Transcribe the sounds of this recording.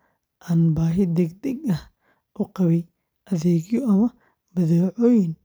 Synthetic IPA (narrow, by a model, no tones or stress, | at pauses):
ʔaːnbaːɦɪd̪ɛɡd̪ɛɡɐh | ʔʊqɑβɛj | ʔɐðɛːɡjɔʔɐmɐ | bɐðɛːʕɔːjɪn